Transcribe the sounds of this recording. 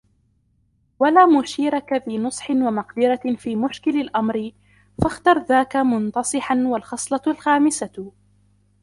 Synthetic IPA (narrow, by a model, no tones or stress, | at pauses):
walaːmʊʃiːɾakafinʊsˤħɪnwamɑqd̪ɪɾafiːmʊʃkɪlalʔamɾɪ | faxt̪ɑɾˤðaːkamʊnt̪ɑsˤɨħanwalxɑsˤlɑlxaːmɪsa